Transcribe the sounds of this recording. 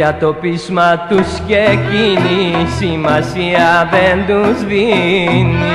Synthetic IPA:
at̪opizmat̪uskecinisimasiavend̪uzvini

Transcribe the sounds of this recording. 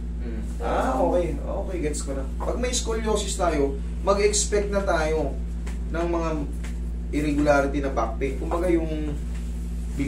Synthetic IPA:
ʔaʔoːkɛjʔo̰ːkɛjɡɛt̪skonɐ | pɐɡ̚mɐjskuljoːsɪst̪aːjo̞ | mɐɡɛkspɛk̚t̪̚nɐt̪aːjo̞ | nɐŋmɐŋa | ʔɪɾɛɡʊlaːɾɪt̪inɐbak̚pɛnkʊmbɐɡajʊŋ | bɪ

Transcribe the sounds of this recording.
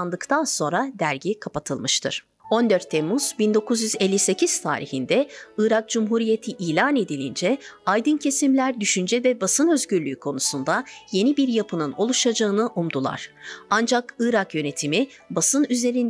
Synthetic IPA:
nd̪ɯkt̪ʰanso̞nɾad̪æɾɟikʰapat̪ʰɯlˠmɯʃt̪ʰɯ̰ɾ̥ | o̞nd̪øɾt̪ʰːemuz̥bind̪o̞kʰuzjyzelʲːise̞ciz̥t̪ʰa̰ːɾihind̪ɛɯːɾak̚d͡ʒumɦuːɾije̞t̪ʰiʔiːlʲaːne̞d̪ilʲḭnd͡ʒɛajd̪ɯncʰe̞simlʲæɾd̪yʃynd͡ʒɛvɛbasɯnøzɟyɾlʲyːkʰo̞nusund̪aje̞nibiɾjapʰɯnɯno̞lˠuʃad͡ʒaɯnɯʔumd̪ulˠa̰ɾ̥and͡ʒakɯɾakjø̞ne̞t̪ʰimi | basɯnyze̞ɾin

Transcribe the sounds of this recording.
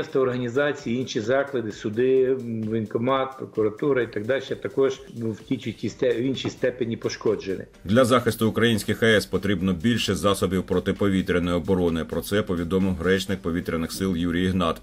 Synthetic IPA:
ɛst̪ɐɔrɦɐnʲizɑt͡sʲijiinʃʲizɑklˠɐd̪ɪsʊd̪ɪʋʲinkɔmɑt̪̚pɾɔkʊɾɐt̪uɾɐit̪ɐɡ̚d̪ɑlʲʃɛt̪ɐkɔʒwtʲit͡ʃʲʊtʲisɛinʃist̪ɛpenʲipɔʃkɔd͡ʒenʲɪ̰ | d̪lʲɐzɑxɪst̪ʊːkɾɐjinʲsʲkɪxɐɛspɔt̪ɾʲibnɔbʲilʲʃɛzɑsɔbʲiwpɾɔt̪ɪpɔʋʲit̪ɾʲɪnɔjɪɔbɔɾɔnɪpɾɔt̪sɛpɔʋʲid̪ɔmɪwɦɾɛt͡ʃnɪk̚pɔʋʲit̪ɾʲɪnɪxsɪlˠjuɾʲijiɦnɑt̪

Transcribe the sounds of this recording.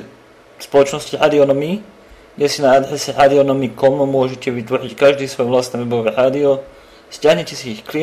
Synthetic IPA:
spolot͡ʃnost̪ʲiħad̪ionomi | jɛsinaad̪ħasiħad̪ionomikomomoʒet̪eʋit̪voħic̪kaʒd̪isʋojvlaːst̪nameboveħaːd̪io | stʲaɲat̪eseixkli

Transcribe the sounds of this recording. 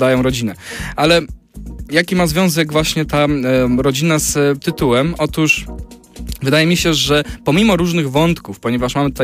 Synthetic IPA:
d̪ajɔ̃w̃ɾɔd͡ʑinɛʔalɛ | jakʲimazvʲjɔ̃w̃zɛɡvwaɕɲɛt̪aɾɔd͡ʑinast̪ɘt̪uwɛmʔɔt̪uʂ | vɘd̪ajɛmʲiɕɛʐɛpɔmʲimɔɾuʐnɘɣvɔnt̪kufpɔɲɛvaʂmamɘt̪ut̪

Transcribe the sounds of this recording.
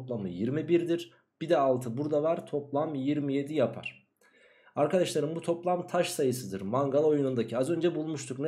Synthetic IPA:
plˠamɯ̰jiɾmibiɾd̪iɾ | b̥id̪ɛːlˠt̪ʰɯbuɾd̪avaɾt̪ʰo̞plˠamjiɾmije̞d̪ijapʰa̰ɾ̥ | aɾkad̪aʃlˠaɾɯmbut̪ʰo̞plˠamt̪ʰaʃsajɯsɯd̪ɯɾmaŋɡalˠo̞junund̪acʰiazø̞nd͡ʒɛbulˠmuʃt̪ʰukn

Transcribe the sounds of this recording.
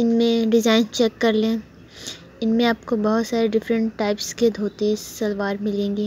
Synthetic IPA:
ɪnmẽɖɪzaːɪnt͡ʃɛkːɐɾlẽː | ɪnmẽaːp̚kobɐɦʊt̪saːɾeɖɪfɾə̃ɳʈːaːɪpsked̪ʱoːt̪isːɐlʋaːɾmɪlẽːŋɡiː

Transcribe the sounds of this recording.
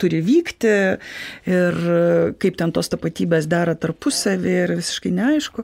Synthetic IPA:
t̪ʊɾʲɪʋʲiːkt̪ʲɪ | ɪrkɐɪpt̪ʲɛnt̪oːst̪ɐpɐt̪ʲiːbʲeːsd̪ɑːɾɐt̪ɐrpʊsɐʋʲɪɪrʋʲɪsʲɪ̥ʃkɐɪnʲɛɐɪʃkʊ

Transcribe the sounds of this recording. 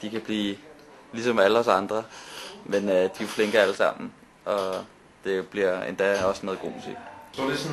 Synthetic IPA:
d̥ikʰæb̥liː | lisɒ̽mæləɒsɑ̈nd̥ʁɐmenəd̥io̝fleŋɡ̥ɐæləsɑ̈m̰n̩ | ɒ̽ | d̥e̝b̥liɐḛnd̥æɒ̽smeðˠɡ̥o̝̰ːmusḭsɔdes

